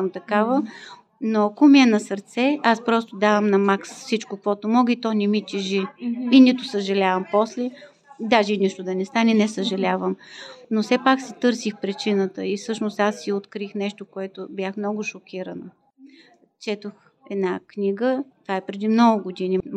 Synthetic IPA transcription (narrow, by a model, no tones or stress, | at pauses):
əmt̪ɐkavə | noɐkomiɛnɐsɐɾt̪sɛaspɾɔst̪od̪avəmnɐmaksfsit͡ʃkokvɔt̪omɔɡəit̪ɔnɛmit̪ʲɛʒiinit̪ʊsəʒɐlʲavəmpɔslɛ | d̪aʒɛniʃt̪ʊd̪ɐnɛst̪anɛnɛsəʒɐlʲavəmnofsɛpaksit̪ɤɾsixpɾit͡ʃinət̪əifsɤʃnost̪asːiot̪kɾixnɛʃt̪okoɛt̪ʊbjaxmnɔɡʊʃokʲiɾənə | t͡ʃɛt̪ox | ɛd̪nakniɡət̪vaɛpɾɛd̪imnɔɡʊɡʊd̪ini